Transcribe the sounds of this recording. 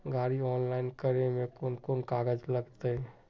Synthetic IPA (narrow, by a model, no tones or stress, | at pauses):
ɡaːɾiɔːnlaːɪnkəɾemẽkoːnkoːnkaːɡəd͡ʒləɡt̪ee